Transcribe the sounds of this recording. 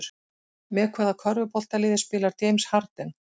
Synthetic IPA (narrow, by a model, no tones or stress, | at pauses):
ɾ̥ | mɛkʰvaːðakʰœɾvʏpɔl̥t̪alɪːðɪ̥spɪːlaɾ̥t̪ejmshaɾt̪ɛn